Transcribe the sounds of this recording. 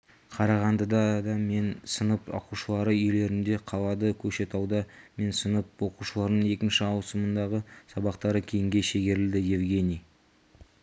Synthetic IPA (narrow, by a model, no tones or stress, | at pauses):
qʰɑɾɑʁɑnd̪əd̪ɑd̪ɑme̞nsənəpwo̞̰quʃəlˠɑɾəʏjle̞ɾɪnd̪e̞qʰɑlˠɑd̪əkʲʰɵʃe̞t̪ɑwd̪ɑme̞nsənəp̚wo̞quʃəlˠɑɾnəɴe̞kʲɪnʃɪɑwsəmənd̪ɑʁəsɑbɑqt̪ɑɾəkʲʰejɪŋɡʲe̞ʃeɡʲe̞ɾɪld̪ɪje̞vɡʲe̞nʲij